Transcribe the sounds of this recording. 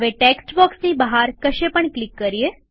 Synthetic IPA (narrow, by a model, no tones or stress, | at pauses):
ʋeʈeksʈbɔksnibaɦaɾkəʃepəɳklikːəɾie